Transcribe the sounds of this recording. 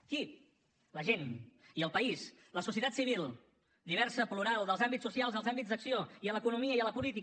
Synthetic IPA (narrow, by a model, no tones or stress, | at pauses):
ki | ləʒeniəlˠpəis | ləsus̬iət̪at̪siβ̞ilˠ | d̪iβɛɾsəpluɾalˠd̪əlˠzambit͡ssusialˠzəlˠzambid͡zd̪əksioiələkunumiəiələpulit̪i